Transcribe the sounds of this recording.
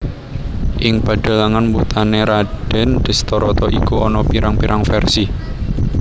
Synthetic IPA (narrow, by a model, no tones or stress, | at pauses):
ʔɪŋpaɖ̥ə̤laŋanmbut̪aneɾaɖ̥ɛ̤nd̪̥ə̤st̪ɔɾɔt̪ɔʔikuɔnɔpiɾaŋpiɾʔaŋfɛrsi